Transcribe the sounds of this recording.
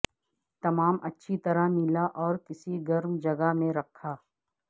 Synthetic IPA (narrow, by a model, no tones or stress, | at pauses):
t̪ɐmaːmɐtːʃʰit̪ɐɾamɪlaʔɔːɾkɪsiɡɐɾmd͡ʒɐɡamẽɾɐkʰːaː